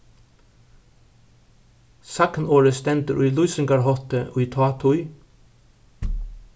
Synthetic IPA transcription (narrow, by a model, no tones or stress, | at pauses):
sɑknoːɹəst̪ɛnt̪əɾʔʉːlʊʏsəŋɡɑɹhɔt̪əʔʉt̪ʰɑːt̪ʰʊʏ